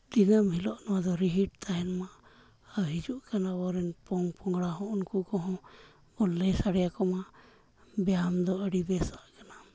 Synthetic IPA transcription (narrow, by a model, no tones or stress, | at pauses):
d̪inəmɦilɔʔnɔwad̪ɔɾiɦiʈ̚t̪aɦɛnma | awɦid͡ʒuʔkanabɔɾɛnpɔŋpɔŋɡɽaɦɔ̃ʔɔnkukɔɦɔ̃ | bɔlːɛjsaɽɛjakɔma | bɛjamd̪ɔəɽibɛsaʔkana